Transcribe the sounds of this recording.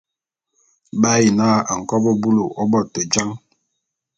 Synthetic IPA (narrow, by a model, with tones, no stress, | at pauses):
ba˦ji˨naː˦a˨ŋ̩˨kɔ˦bɔ˦bu˦lo˨ʔɔ˦bɔ˦˨to˨d͡ʒa˦ŋ